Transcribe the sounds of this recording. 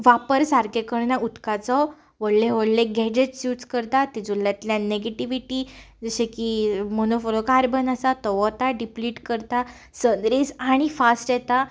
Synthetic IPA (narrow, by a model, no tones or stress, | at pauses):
ʋapəɾsaɾkekəɽnaut̪kat͡sɔ | ʋəɽlẽʋəɽleɡɛd͡ʑeʈsjut͡skəɾt̪at̪id͡zuljat̪ljãneɡeʈiʋiʈi | d͡zəɕẽkimonofolokaɾbʱənasat̪ɔʋɔt̪aɖipliːʈkəɾt̪a | sənd̪ɾid͡zaɽ̃ifasʈjɛt̪a